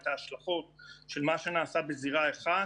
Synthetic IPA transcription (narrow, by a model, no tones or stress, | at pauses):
t̪aːʃlaχo̞tʃe̞lmaʃe̞naːsabeziʁaeχa